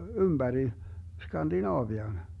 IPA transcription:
ymbæri skɑndinɑːʋiɑn

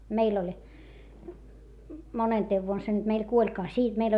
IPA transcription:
meil olʲ monenteːʋ ʋuon se nyt meil kuolʲkɑː siː meil

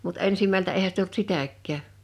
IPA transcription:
mut ensimæltæ eihæ sit olt sitækˑæː

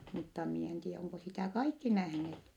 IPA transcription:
mutːɑ mie en tie oŋko sitæ kɑikːi næhneːt

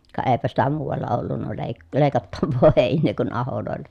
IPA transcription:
kɑ eːpæ sitæ muːʋ̆ɑlːɑ olːunːɑ leˑi̯ leˑi̯kɑtːɑʋːoː heˑinˑeː kun ɑholoˑelːɑ̥

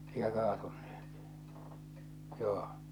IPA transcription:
eikæ kɑːtun̥ːe̥h̞e̥t joː

